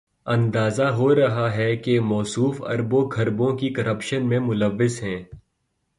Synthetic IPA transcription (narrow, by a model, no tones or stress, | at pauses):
ɐ̃nd̪aːzaɦoɾɐɦaɦɛkemɔːsuːfɐ̰ɾbõɡʱɐɾbõkikɐɾɐpʃənmẽmʊlɐʋːɪzɦɛ̃ː